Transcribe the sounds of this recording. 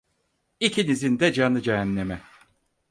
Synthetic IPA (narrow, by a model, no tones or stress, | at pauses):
icʰinizind̪ɛd͡ʒanɯd͡ʒɛɦænːemɛ